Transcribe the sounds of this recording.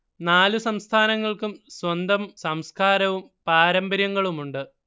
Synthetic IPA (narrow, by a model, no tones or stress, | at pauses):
naːlusɐmst̪ʰaːnɐŋːɐɭkumswɐnd̪ɐmsɐmskaːɾɐʋumpaːɾɐmbɐɾjɐŋːɐɭumuɳɖɨ